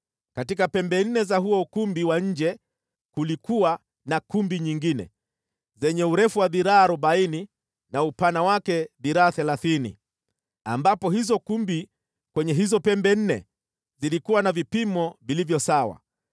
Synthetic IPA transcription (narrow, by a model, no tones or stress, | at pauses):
katikapɛmbɛn̩nɛzaɦuɔukumbiwaɲ̩d͡ʒɛ | kulikuwa | nakumbiɲiŋɡinɛ̰ | zɛɲɛuɾɛfuwaðiɾaaːɾɔbaini | naupanawakɛðiɾaːθɛlaθinḭ | ambapɔhizɔkumbi | kwɛɲɛɦizɔpɛmbɛn̩nɛ̰ | zilikuwanavipimɔvilivjɔsawa̰